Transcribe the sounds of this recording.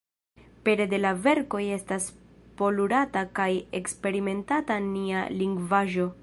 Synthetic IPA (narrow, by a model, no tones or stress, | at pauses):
pe̞ɾe̞de̞lave̞ɾko̞je̞staspo̞luɾatakaje̞kspe̞ɾime̞ntatanialiŋɡvaʒo̞